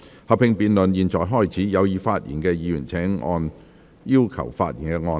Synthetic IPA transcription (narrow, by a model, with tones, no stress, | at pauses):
hɐ˨˩pʰɪ˧ŋpiː˨˧nlɵ˨njiː˨nt͡sɔː˨jɦɔː˥˩jt͡sʰiː˨˥jɐ˨˧wjiː˨˧faː˧t̚jḭ˨˩nkɛː˧jiː˨˧jyː˨˩nt͡sʰɛː˨˥ŋʔɔ̰ː˧n | jiː˥wkʰɐ̰˨˩wfa̰ː˧t̚jiː˨˩nkɛː˧ŋɔː˧